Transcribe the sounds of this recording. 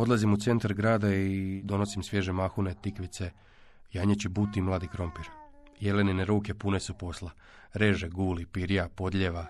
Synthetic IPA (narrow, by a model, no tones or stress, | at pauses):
o̞d̪lˠazimut̪se̞nt̪aɾɡɾaːd̪aid̪o̞no̞simsʋje̞ːʒemaxunet̪ikʋit̪se̞ | jaːɲet͡ɕebut̪imlˠaːd̪ikɾo̞mpiɾ | je̞lenineɾuːke̞pune̞supo̞sla | ɾeʒeɡuːlipiɾjapo̞d̪ʎeʋa